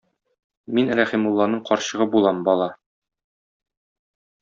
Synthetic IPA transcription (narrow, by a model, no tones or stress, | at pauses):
minɾæχimulˠːɑnɤɴqɒɾɕɤ̆ʁɤbulˠɑmbɒlˠɑ